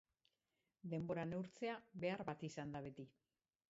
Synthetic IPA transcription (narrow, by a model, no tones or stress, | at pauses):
d̪e̞mbo̞ɾane̞wɾt͡se̞aβe̞aɾβat̪isand̪aβe̞t̪i